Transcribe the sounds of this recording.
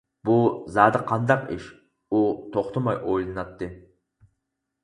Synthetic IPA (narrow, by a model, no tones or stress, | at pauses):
buzɑːd̪ɨqʰɑnd̪ɑqḭʃ | ut̪ʰoχt̪ʰʊmɑjʔojlˠɨnɑt̪ːɨ